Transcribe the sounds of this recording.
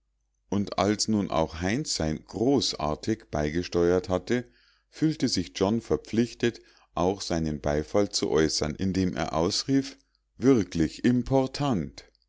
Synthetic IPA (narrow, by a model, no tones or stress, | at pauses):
ʔʊnta̰lsnuːnʔa̰ʊxɦaɪnsz̥aɪnɡ̥ʁoːsʔa̰ːɐtʰɪçb̥aɪɡəʃtɔʏɐthatə | fyːltəzɪçd͡ʒ̥ɔnfɛɐp͡flɪçtət | ʔaʊxz̥aɪnənbaɪfalt͡sṵʔɔʏsɐnʔɪndeːmʔḛːɐʔaʊsʁiːf | v̥ɪʁklɪçɪmpʰɔɐtʰant